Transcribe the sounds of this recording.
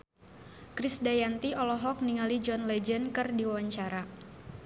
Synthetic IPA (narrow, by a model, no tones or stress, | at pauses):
kɾɪsdajant̪iʔɔlɔɦɔk̚niŋalid͡ʒɔnlɛd͡ʒənkɨrdiwawaɲt͡ʃaɾa